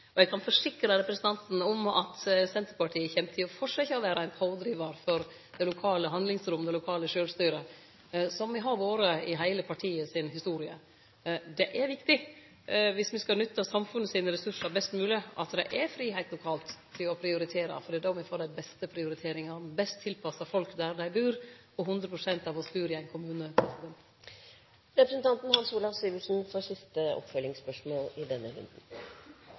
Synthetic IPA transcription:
ɔɛɡkʰɑnfɔʂɪkɾəɾɛpɾəsənt̪ʰɑnt̪n̩ɔmɑ̰t̪sɛnt̪əɾpɑʈʰiːəçɛmt̪ʰɪlɔfɔʂɑɪçːəɔʋæːɾɑæɪnpʰɑʊd̪ɾiːʋəɾfɔɾ | d̪ɛɪlʊkʰɑːləɦɑnd̪lɪŋsɾʊmːd̪ɛlʊkʰɑːləʂøːlst̪yːɾə | sɔmʋɪɦɑɾʋoːɾəɪɦæɪləpʰɑʈʰiːəsɪnhɪst̪uːɾɪə | d̪ɛʔɛɾʋɪkt̪ɪ | ʋɪsmɪskɑlnʏt̪ːɑsɑmfʉnːəsiːnəɾɛsʉʂəɾbɛst̪mʉːlɪɑt̪d̪æɪʔɛfɾiːɦæɪt̪lʊkʰɑːlt̪t̪ʰːɪlɔpʰɾɪʊɾɪt̪ʰeːɾɑ̰fɔɾɖɛd̪ɔʋɪfoːɾd̪æɪbɛst̪əpʰɾɪʊɾɪt̪ʰeːɾɪŋɑɾbɛst̪ʰːɪlpʰɑsɑfɔlkd̪æɾd̪æɪbʉːɾ | ɔɦʉnd̪ɾəpʰɾʊsɛnt̪ɑʋɔsbʉːɾɪæɪnkʰʊmʉːnəpʰɾɛsɪd̪ɛnt̪ | ɾɛpɾəsən̩t̪ʰɑnt̪nhɑnsuːlɑsyːʋɪlsn̩fɔsɪst̪əɔ̰pfœlɪŋspœʂmoːlɪd̪ɛnːəhʉ̰nd̪n̩

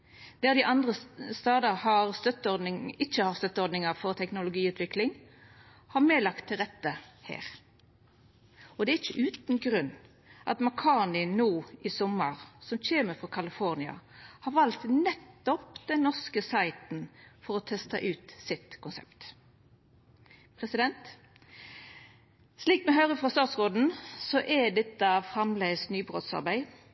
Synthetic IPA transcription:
d̪̥æʁd̪ɪʔɑnd̪ʁəst̪ɑːd̪əɾhɑʁst̪œt̪ːəɔnɪŋɪçːəhɑst̪œt̪ːəɔɾd̪nɪŋəfɔʁt̪ʰɛknʊlʊɡiːʉːt̪ʰʋɪklɪŋ | hɑʁmeːlɑkt̪ʰːɪlʁɛt̪ːəhæ̰ːʁ | ɔd̪ɛæɪçəʔʉːt̪n̩ɡɾʉnː | ʔɑ̰t̪mɑkʰɑːnɪnuːɪsɔmːəʁsɔmc͡çeːməfʁɔkʰɑlɪfɔʁnɪɑ̰hɑʁʋɑlt̪nɛt̪ːɔpd̪ɛnnɔʁskəsæɪt̪n̩fɔɾɔt̪ʰɛst̪ɑ̰ʔʉːt̪sɪt̪kʰʊnsɛ̰pt̪ | pʰʁɛsɪd̪ɛnt̪ | sliːkmɛɦœʏʁəfʁɑst̪ɑːt̪sʁoːd̪n̩sɔʔɛd̪ɛt̪ːəfɾɑmlɛsnyːbʁo̰ːt̪sɑ̰ʁbæɪ

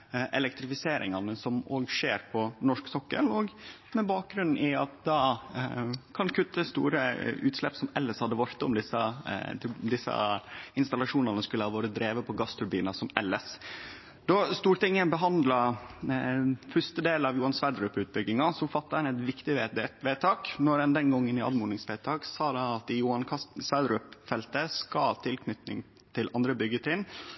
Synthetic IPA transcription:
ʔɛlɛkt̪ɾɪfɪseːɾʔɪ̰ŋɑnəsɔmoːɡʂeːɾpʰɔnɔʂksɔkːə̰lɔɡ | mɛbɑːk̚ɡɾʉnn̩ɪɑt̪̚d̪ɑ | kʰɑnkʰʉt̪ːəst̪ṵːɾə̰ʉːt̪slɛpsɔmɛlːəshɑd̪ːəʋɑɾt̪ɔmd̪ɪsːɑ | d̪ɪsːɑ̰ɪnst̪ɑlɑʂuːnənəskʉləhɑʋoːɾəd̪ɾeːʋəpʰɔɡɑst̪ʰʉɾbiːnɑsɔmɛlːəs | d̪̥ɔst̪uːɾʈ̪ɪŋːəbəɦɑnd̪lɑ | fœʂt̪əd̪eːlɑʋjuːɑnsʋæd̪ɾʉpːʉːt̪̚bʏɡːɪŋɑsɔfɑt̪ːɑɛnɛt̪ʋɪkt̪ɪʋeːt̪ʰɑːknɔɾənd̪ɛnɡɔŋːənɪɑ̰d̪muːnɪŋsʋɛt̪ʰɑːksɑːd̪ɛɑt̪ɪjuːɑnkʰɑsʋæd̪ɾʉpfɛlt̪əskɑlt̪ʰɪlkʰnʏt̪nɪ̰ŋ | t̪ʰɪlʔɑnd̪ɾəbʏɡːət̪ʰɪn

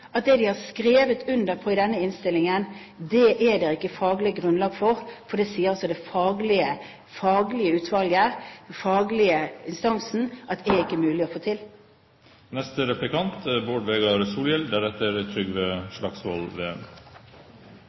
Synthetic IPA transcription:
ɑt̪̚d̪ɛːd̪ɪhɑskɾeːʋət̪ʉnd̪əɾpʰɔɪd̪ɛnːəɪnst̪ɪlɪŋən | d̪ɛʔɛd̪ɛʁɪkːəfɑːɡlɪəɡɾʉnlɑːɡfɔʁfɔd̪ɛsiːəɾɔsɔd̪ɛfɑːɡlɪə | fɑːɡlɪəʉːt̪ʰʋɑlɡəfɑːɡlɪəɪnst̪ɑnsn̩ʔɑt̪ɛɪkːəmʉːlɪɔfoːt̪ʰɪl | nɛst̪əɾɛplɪkʰɑnt̪boːɖʋeːɡɑɾsuːljɛld̪æɾɛt̪ːəɾt̪ʰɾʏɡʋeːʂlɑksʋɔ̰lʋeːœm

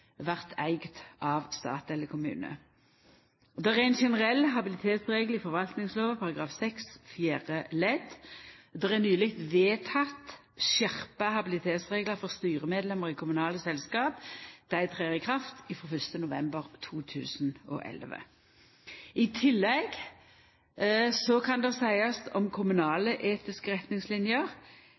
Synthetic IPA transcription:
ʋæʁt̪ʰæɪɡt̪ʔɑʋst̪ɑ̰ːt̪ɛlːəkʰʊmʉ̰ːnə̰ | ɔd̪ɛɛænʃɛnəʁɛlːɦɑbɪlɪt̪ʰeːt̪sʁeːɡlɪfɔʁʋɑlt̪nɪŋsloːʋəpʰɑʁɑɡʁɑːfsɛksfjæːʁəlɛd̪d̪ɛʁɛʁnyːlɪkt̪ʋeːt̪ʰɑt̪ | ʃæʁpəhɑbɪlɪt̪ʰeːt̪sʁeːɡləʁfɔʁst̪yːʁəmeːd̪lɛməʁɪːkʰʊmʉnɑːləsɛlskɑːpd̪̥æɪt̪ʰʁeːʁɪkʰʁɑft̪ɪfʁɔːfʏst̪ənʊʋɛ̰mbəʁt̪ʰuːt̪ʰʉ̰ːsnɔ̰ʔɛ̰lʋə̰ | ɪt̪ʰɪlːɛɡ | sɔkʰɑnd̪ɛsæɪɑst̪ɔmkʰʊmʉnɑːləʔeːt̪ɪskəʁɛt̪nɪŋslɪnjəʁ

